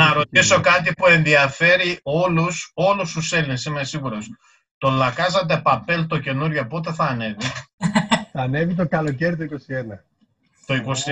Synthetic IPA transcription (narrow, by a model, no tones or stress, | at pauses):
nɐɾo̞t̪iso̞kɐt̪ipue̞nðiɐfe̞ɾio̞luso̞lust̪use̞linesimesiɣuɾos | t̪o̞lɐkɐzɐt̪̬e̞pɐpe̞lt̪o̞ce̞nuɾʝopo̞t̪̬eθɐːne̞vi | θɐːne̞vit̪̬o̞kɐlo̞ce̞ɾit̪oiko̞sienɐ | t̪o̞iko̞si